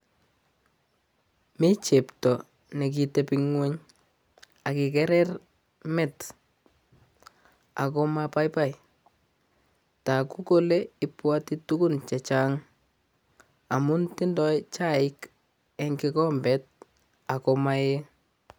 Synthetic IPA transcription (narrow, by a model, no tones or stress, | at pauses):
mit͡ʃeptɔ | nek̬itepiŋweɲ | akɪkɛɾɛr | mɪt | a̰kɔmapajpaj | takukoleɪpwatitukunt͡ʃɛt͡ʃaŋ | amʊntɪndɔjt͡ʃaɪk | ɛŋkɪkɔmbɛt̚ | akɔmaje